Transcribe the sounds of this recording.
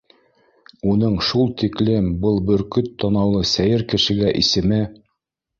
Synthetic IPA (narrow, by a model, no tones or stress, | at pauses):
unɤɴʃulˠt̪iklɘmbɤlˠbɵ̆ɾkɵt̪ːɑnɑwlˠɤsæjɘɾkɘ̆ʃɘ̆ɡæʔisɘ̆mɘ